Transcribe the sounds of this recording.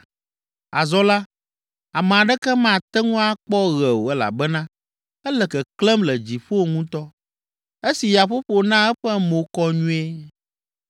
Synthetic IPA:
a˨zɔ˦la˦ | a˨mɛ̃˨a˨ɖɛ˦kɛ˦mã˨t̪ɛ˦ŋũ˦a˦k͡pɔ˦ɣɛ˨wo˨ɛ˦la̰˨bɛ˦nã˦ | ɛ˦lɛ˨kɛ˨klɛ˦mlɛ˨d͡ʑi˨ɸo˦˨ŋũ˦t̪ɔ˦ | e˦si˨ja˨ɸo˦ɸo˨nã˦ɛ˦ɸɛ˦mo˨kɔ˦ɲũ˦e˦

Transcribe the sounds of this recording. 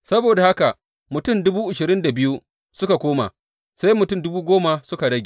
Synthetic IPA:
sɐ˦boː˨da˨ha˦ka˨ | mʊ˨tʊ˦˨mdʊ˦buː˦ʔʊ˨ʃɪ˨ɾɪ˦nda˨bɪ˦ju˦ | sʊ˦ka˨kʷoː˦ma̰˨ | sa˦jmʊ˨tʊ˦˨mdʊ˦buː˦ɡʷoː˦ma˨sʊ˦ka˨ɽɐ˦ɡʲe˨

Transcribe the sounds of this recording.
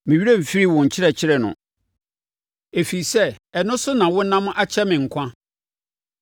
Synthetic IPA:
mɪ̃˨ɥi˦ɾe˦m̩˨fi˦ɾi˦wɔ̃˨ɲ̩˨t͡ɕʰɪ˦ɾɛ˨t͡ɕʰɪ˦ɾɛ˨nʊ̰̃˨ | e˨fi˨sɛ˦ɛ˨nʊ̃˦sʊ˦nã˨wʊ˦nã˦m̃˦ʔa˦t͡ɕʰɛ˦mɪ̃˨ŋ̩˨kʰʷã˦

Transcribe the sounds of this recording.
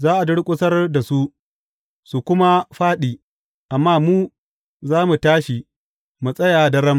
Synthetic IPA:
zaː˦ʔa˨dʊ˦ɽkʷʼʊ˦sɐ˦rda˨su˦ʔ | su˨kʷʊ˦ma˦ɸaː˦ɗiː˨ | ʔa˨mːaː˦muː˦ | zaː˦mu˨taː˦ʃi˨ | mu˨sʼɐ˦jaː˨dɐ˦ɾɐ˦m

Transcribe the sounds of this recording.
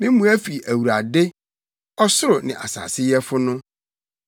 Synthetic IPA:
mɪ̃˦mũ˦æ˦fi˨ʔæ˨wu˨ɾa˨de˦ | ɔ˦sʊ˦ɾʊ˨nɪ̰̃˨ʔa̰˨sa̰ː˨sɪ˦jɛ˦fʊ˦nʊ̃˦

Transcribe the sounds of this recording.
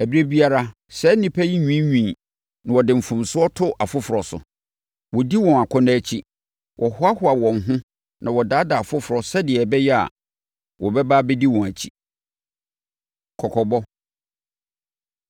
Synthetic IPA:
æ˨bi˦e˦bi˦a˦ɾa˦ | sɛ˨˦nĩ˦pʰæ˦ji˦ɲᶣĩ˦ɲᶣĩ˨ | nã˨wɔ˨dɪ˨m̩˨fũ˨msʊ˦ɔ˦tʰʊ˦ʔa˨fʊ˦fʊ˨ɾɔ˨sʊ̰˨ | wɔ˨di˦wɔ̃˨na˨kʷʰɔ˦nã˦˨t͡ɕʰi˦ | wʔɔ˨hʊ˦a˦hʊ˦a˨wɔ̃˨ŋ˨ɦʊ̃˦ | nʔã˨wɔ˨daː˨˦da˨a˨fʊ˦fʊ˨ɾɔ˨sɛ˦dɪ˨ɛ˨bɛ˦jɛ˦a̰˨ | wɔ˨bɛ˦baː˦bɛ˦di˦wɔ̃˨næ˨t͡ɕʰi˦ | kʰɔ˨kʰɔ˨bɔ˦

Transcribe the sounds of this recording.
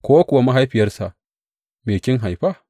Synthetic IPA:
kʷoː˦wa˦kʷʊ˨wa˦ma˦ɦa˦jɸɪ˨jɐ˦rsa˨ | meː˨kʲɪ˦ŋɦa˨jɸa˦˨

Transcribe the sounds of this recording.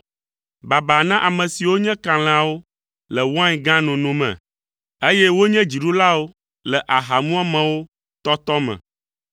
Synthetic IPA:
ba˨ba˨nã˦ʔa˨mɛ̃˨si˨wo˦ɲɛ̃˦kã˨l̃ɛ̃˨a˨wo˦ | lɛ˨wã˦˨ɡã˦nũ˨nũ˨mɛ̰̃˨ | e˦jɛ˦wo˦ɲɛ̃˦d͡ʑi˨ɖu˦la˦wo˦ | lɛ˨ʔa˨ɦa˨mũ˦a˦mɛ̃˨wo˦ | t̪ɔ˦t̪ɔ˦mɛ̰̃˨

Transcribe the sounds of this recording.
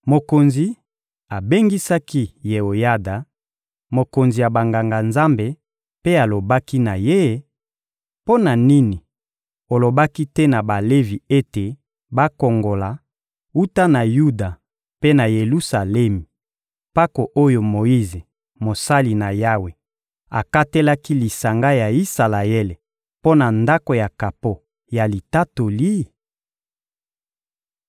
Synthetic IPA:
mo˨ko˨nzi˨ | a˨be˦ŋɡi˦sa˦ki˦je˨o˨ja˦da˨ | mo˨ko˨nzi˨ja˨ba˨ŋɡa˨ŋɡa˨nza˦mbe˨ | pe˦a˨lo˨ba˦ki˦na˨je˦ | po˦na˨ni˦ni˨ | o˨lo˨ba˦ki˦tɛ˦na˨ba˨le˦vi˨e˦te˨ | ba˦ko˨ŋɡo˨la˨ | u˦ta˦na˨ju˦da˨ | pe˦na˨je˨lu˦sa˨le˦mi˨ | pa˦ko˨ʔo˦jo˨mo˨i˦ze˨ | mo˨sa˦li˨na˨ja˦we˨ | a̰˨ka˦te˦la˦ki˦li˨sa˨ŋɡa˦ja˨i˦sa˨la˨e˦le˨ | po˦na˨nda˦ko˨ja˨ka˨po˦ | ja˨li˨ta˦to˨li˦

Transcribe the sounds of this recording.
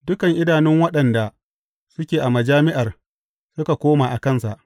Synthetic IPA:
dʊ˦kɐ˨ŋʔɪ˦daː˨nɪ˦ŋwɐ˦ɗɐ˨nda˨ | sʊ˦kʲeː˨ʔa˨mɐ˨d͡ʒaː˦mɪ˦ʔa˨r | sʊ˦ka˨kʷoː˦maː˨ʔa˨kɐ˦˨nsa˨ʔ

